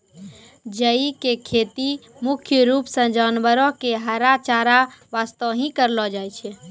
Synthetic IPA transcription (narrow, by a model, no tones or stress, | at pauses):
d͡ʒəikekʰet̪i | mukʰjəɾupsə̃d͡ʒanʋəɾɔ̃keɦəɾat͡ʃaɾaʋast̪əʋɦĩkəɾlɔd͡ʒajt͡ʃʰɛ